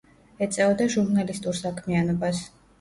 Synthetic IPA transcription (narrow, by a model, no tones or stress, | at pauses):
ɛt̪sʼɛvɔd̪aʒuɾnalist̪ʼuɾsakʰmianɔbas